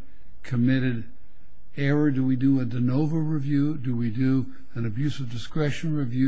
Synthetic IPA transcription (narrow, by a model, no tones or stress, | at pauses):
kʰɨmɪɾɨɾ | ɛɹə˞dɨwidɨədɨnoʊvəɹɨvjʉdɨwidɨ | ɨ̃nɨbjʉsʌvdɨskɹɛʃɨ̃nɹivjʉ